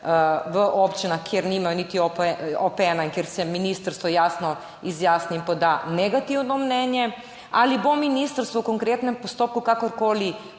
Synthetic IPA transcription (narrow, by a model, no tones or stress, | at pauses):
ʋəʔopt͡ʃinaxkjeɾnimajonit̪iopɛɔpɛnaiŋkjeɾsɛminist̪aɾst̪ʋɔjaːsnɔ | izjaːsniimpɔd̪anɛɡat̪iwnɔmnɛːnjɛ | alibominiːst̪aɾst̪ʋoukoŋkɾeːt̪nɛmpɔst̪oːp̚kukakɔɾkoːli